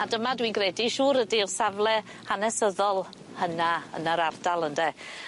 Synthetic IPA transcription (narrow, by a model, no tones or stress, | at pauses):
adəmadwinɡrɛdiʃuːɾədirsavlˠɛ | hanɛsəðɔlˠ | hənaə̰nəɾardalˠəndɛ